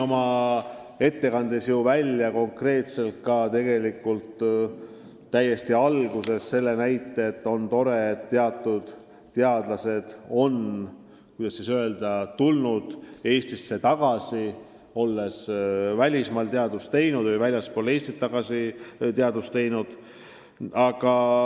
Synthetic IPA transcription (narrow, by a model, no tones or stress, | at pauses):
o̞mɑ | e̞t̪ːe̞kɑnd̪esjuvælʲːjɑko̞ŋkre̞ːt̪se̞lt̪̚kɑt̪e̞ɡ̥e̞likːult̪ | æje̞st̪iɑlɡuse̞sse̞lːe̞næjt̪ːˑeːt̪ːo̞nt̪o̞ɾe̞ːt̪ːe̞ɑt̪ːud̪̥ː | eɑd̪̥lɑse̞d̪̥o̞n | kujd̪̥ɑsisøe̞ld̪̥ɑt̪ulnud̪̥e̞ːst̪isːe̞t̪ɑɡ̥ɑsi | o̞lːe̞svælʲismɑːlt̪eɑd̪ust̪e̞jnud̪vɨjvælʲjɑspole̞ːsʲt̪it̪ːɑɡ̥ɑsit̪eɑd̪ust̪e̞jnud̪̥ | ɑɡ̥ɑ